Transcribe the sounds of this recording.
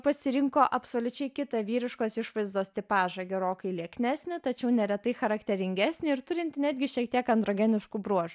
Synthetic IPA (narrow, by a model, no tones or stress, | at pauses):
pɐsʲɪɾʲɪŋkoːʔɐpsoːlʲʊt͡ʃʲɛɪkʲɪt̪ɐʋʲiːɾʲɪʃkoːsɪʃʋɐɪzd̪oːsʲt̪ʲɪpɑːʒɐɡʲɛɾoːkɐɪlʲiɛknʲæːsʲnʲɪt̪ɐt͡ʃʲɛʊnʲɛɾʲɛt̪ɐɪxɐɾɐkt̪ʲɛɾʲɪŋʲɡʲæsʲnʲɪɪɾt̪ʊɾʲɪnt̪ʲnʲæːd̪ʲɡʲɪʃʲiɛk̚t̪ʲiɛkɐnd̪ɾoːɡʲɛnʲɪʃkuːbɾuɔʒʊ